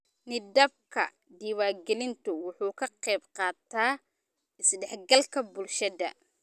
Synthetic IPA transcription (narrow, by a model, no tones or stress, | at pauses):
nɪd̪ɐb̚kʰɐ̰ | d̪iːwaːɡɛlɪnt̪ʰʊwʊħuːkʰɐqɛjbqɑːt̪ʰaː | ɪsɖɛħɡɐlkʰɐbʊlʃɐðɐ̰